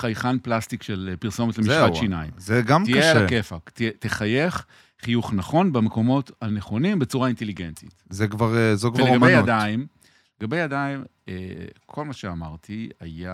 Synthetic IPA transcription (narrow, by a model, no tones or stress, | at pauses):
χajχanplastikʃelpiʁso̞motlemiʃatʃinaḭmzeɡamt̪ijaelakefaktieteχaje̞χ | χijuχnaχo̞nbemeko̞mo̞thaneχo̞nimbe̞t͡suʁainte̞liɡentitzekvaʁzokvaʁeɡamaejadaim | le̞ɡabejadaimekʰo̞lmaʃeamaʁt̪ʰia̰ja